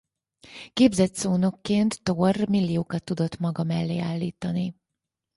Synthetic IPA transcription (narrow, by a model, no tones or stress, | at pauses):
keːbzɛt̪soːno̞kːeːnt̪ːormilːijoːkɒt̪ːud̪o̞t̪mɒɡɒmɛlːeːaːlːiːt̪ɒni